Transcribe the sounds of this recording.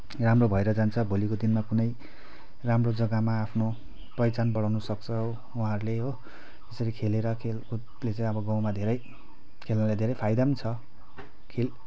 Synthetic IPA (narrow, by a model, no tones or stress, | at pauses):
ramrobʱʌeɾʌd͡zant͡sʰʌbʱolikod̪inmakunʌj | ramrod͡zʌɡamaːpʰno | prʌjt͡sanbʌɽawnusʌk̚t͡sʰʌ | uɦãɾleɦo | esʌɾikʰeleɾʌkʰelu | let͡saĩʌbʌɡãw̃mad̪ʱeɾʌj | kʰelnʌlad̪ʱeɾʌjpʰajd̪amt͡sʰʌ | kʰel